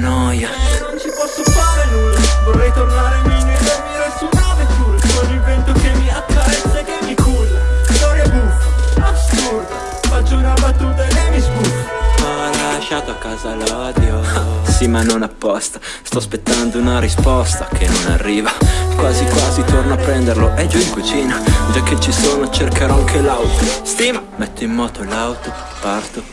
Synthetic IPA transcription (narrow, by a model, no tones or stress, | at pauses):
nɔjanont͡ʃipɔsːofaːɾenujvorːɛjt̪ornaːɾemined̪elmiɾelsunavet̪uolivɛnt̪okemːiakːaɾɛsːekemikʰuzad̪ɔɾebutaskut̪a | fat͡ʃːounabat̪ːuːt̪̬aelemːiskuːzeɔallaʃat̪oakːaːzalɔd̪josimanonapːɔst̪a | st̪ɔspet̪ːand̪ounaɾispɔst̪ak̟ʰenːona̰rːiːvakwaːzikwaːzit̪ornoapːɾɛnd̪erloʔɛd͡ʒuĩŋkut͡ʃiːnad͡ʒakːet͡ʃːisoːnot͡ʃerkeɾɔaŋk̟elawt̪ost̪iːmamɛt̪ːoimːɔːt̪olawt̪o | part̪o